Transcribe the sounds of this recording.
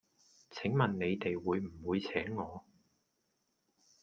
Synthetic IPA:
t͡sʰɪ˨˥ŋmɐ˨nne˨˧jt̪e˨jwuː˨˧jm̩˨˩wuː˨˧jt͡sʰɛː˨˥ŋːɔː˨˧

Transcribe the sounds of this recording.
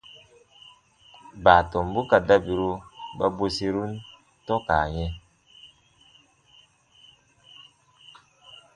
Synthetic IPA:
baː˨tɔ˨mbu˦ka˨da˦bi˨ɾu˦ba˦bo˦si˦ɾu˦n | tɔ˦kaː˨ɲɛ˦

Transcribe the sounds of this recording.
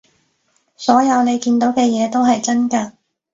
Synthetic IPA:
sɔː˨˥jɐ˨˧wne˨˧jkiː˧nt̪o˨˥wkɛː˧jɛː˨˧t̪o˥wɦɐ˨jt͡sɐ˥nkaː˧

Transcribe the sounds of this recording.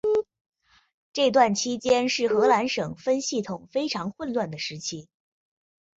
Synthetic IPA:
ʈ͡ʂɤ˥˧ɪt̪̬wa˥˩nt͡ɕʰi˥t͡ɕjɛ˥nʂɻ̩˥˩xɤ˧˥la˧˥nʂɤ˨˩ŋfə˥nɕi˥˩t̪ʰʊ˨˩ŋfe˥ɪʈ͡ʂʰɑ˧˥ŋxwə˥˧nlwa˥˩nd̪ə˩ʂɻ̩˧˥t͡ɕʰi˥

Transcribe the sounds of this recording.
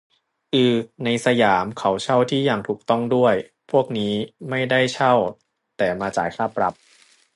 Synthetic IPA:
ʔɯː˧na˧jsa˧jaː˩˦mkʰa˦˥wt͡ɕʰa˥˩wt̪ʰiː˥˩jaː˨˩ŋt̪ʰuː˨˩k̚t̪ɔ˥˩ŋdu˥˩əj | pʰu˥˩ək̚niː˦˥ma˥˩jda˥˩jt͡ɕʰa˥˩w | t̪ɛː˨˩maː˧t͡ɕa̰ː˨˩˦jkʰaː˥˩pɾa˧˦˥p̚

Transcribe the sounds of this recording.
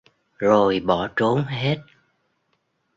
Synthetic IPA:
zo˨˩jɓɔ˧˩t͡ɕo˨˦nɦe˦˥t̚

